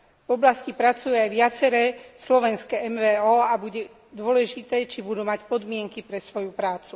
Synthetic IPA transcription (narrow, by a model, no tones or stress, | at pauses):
vɔblascipɾat͡sujuajʋɪat͡sɛɾɛːslɔʋɛnskɛɛmʋɛːɔːabuɟɛ | d̪ʊɔlɛʒit̪ɛːt͡ʃibud̪uːmacpɔd̪mɪɛŋkipɾɛsʋɔjupɾaːt͡su